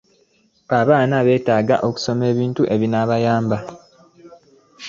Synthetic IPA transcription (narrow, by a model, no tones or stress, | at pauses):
aβaːnaβe̞ːtaːɡaʔo̞ku̥so̞me̞ːβiːntuʔe̞βinaβajaːmba